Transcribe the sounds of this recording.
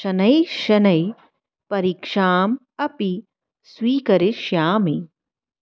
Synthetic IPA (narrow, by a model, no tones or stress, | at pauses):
ʃɐnɐjʃɐnɐj | pɐɾiːkʂaːm | ɐpi | swiːkɐɾiʃjaːmi